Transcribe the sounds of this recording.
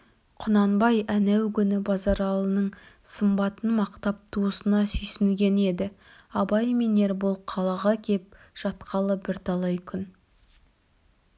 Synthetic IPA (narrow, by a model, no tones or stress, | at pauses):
qʰʊnɑnbɑjænæwkʲʏnɪbɑzɑɾɑlˠənəɴ | səmbɑt̪ənmɑqt̪ɑp̚t̪ʰuəsənɑsʏjsɪnɡʲe̞ne̞d̪ɪ | ɑbɑjmine̞ɾbolˠqʰːɑlˠɑʁɑkʲʰe̞p̚ | ʒ̥ɑt̪qʰɑlˠəbɪɾt̪ʰɑlˠɑjkʲʰʏn